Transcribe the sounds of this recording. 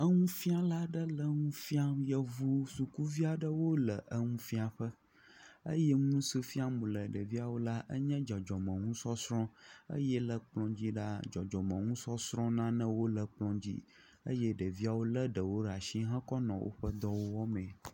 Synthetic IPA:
ə˦ŋũ˦fi˦a˦la˦ɖə˦lə˦ŋũ˦fi˦a˦jə˦vu˦su˨ku˦vi˦a˨ɖə˦wo˦lə˨ʔə˦ŋũ˦fi˦a˨ɸə˦ | ə̰˦jɛ˦ŋũ˦sə˦fi˦a˦mũ˨lə˨ɖə˨vi˦a˨wo˦la˦ʔə̰˦ɲɛ̃˦d͡ʒɔ˨d͡ʒɔ˨mə̃˨ŋũ˦sɔ˦sɾɔ̃˦ə̰˦jɛ˦lə˨k͡plɔ̃˦d͡ʑi˦ɖa˦d͡ʒɔ˨d͡ʒɔ˨mə̃˨ŋũ˦sɔ˦sɾɔ̃˦nã˦nə̃˦wo˦lə˨k͡plɔ̃˦d͡ʑḭ˦ | ə̰˦jɛ˦ɖə˨vi˦a˨wo˦lə˦ɖə˨wo˦ɖa˨ʃi˦ɦã˦kɔ˦nɔ̃˨wʔo̰˦ɸə˦d̪ɔ˦wo˦wɔ˦mɛ̃˨

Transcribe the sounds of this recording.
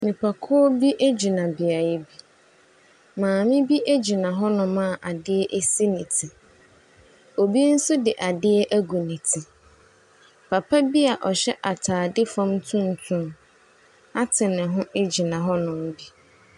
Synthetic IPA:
nɪ̃˨pʰa˨kʰɔ˦ɔ˦bi˦ʔe˦d͡ʑi˨nã˨bɪ˨a˨jɛ˦bi˦ | mãː˨mɪ̃˦bi˦ʔe˦d͡ʑi˨nã˨ɦɔ˦nʊ̃˨mã˦˨ʔa˨dɪ˦ɛ˦ʔe˦si˦nɪ̃˨tʰɪ˨ | o˨bi˦n̩˦sʊ˦dɪ˨ʔa˨dɪ˦ɛ˦ʔæ˦ɡu˨nĩ˨tʰi˨ | pʰa˨pʰa˦bi˦a˨ʔɔ˨ɕɛ˦ʔa˨tʰaː˨dɪ˦fã˦mtʰʊ̃˦n˦tʰʊ̃˦ | a˦tʰɪ˨nɪ̃˨ɦʊ̃˦ʔe˦d͡ʑi˨nã˨ɦɔ˦nʊ̃˨m̩˦bi˦

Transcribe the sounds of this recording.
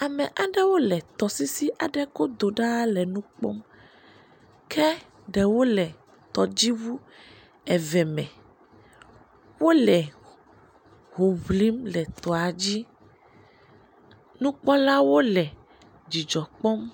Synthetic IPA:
a˨mɛ˨ʔa˨ɖɛ˦wo˦lɛ˨t̪ɔ˨si˦si˦ʔa˨ɖɛ˦ko˦d̪o˨ɖa˦lɛ˨nũ˦k͡pɔ̰˦m | kʰɛ˦ | ɖɛ˨wo˦lɛ˨ | t̪ɔ˨d͡ʑi˦vu˦ | ɛ˨vɛ˨mɛ̃˨ | wo˦lɛ˨ | ɦo˨βli˦mlɛ˨t̪ɔ˨a˨d͡ʑi˦ | nũ˦k͡pɔ˦la˦wo˦lɛ˨ | d͡ʑi˨d͡ʒɔ˨k͡pɔ˦m

